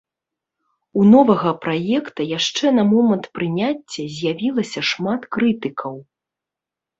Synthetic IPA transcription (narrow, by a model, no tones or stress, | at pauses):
unɔvɐɣɐpɾajɛkt̪ɐjaʂt͡ʂɛnɐmɔmɐnt̪pɾɨnʲat͡sʲːɐzʲjavʲilˠɐsʲɐʂmat̪kɾɨt̪ɨkʰɐw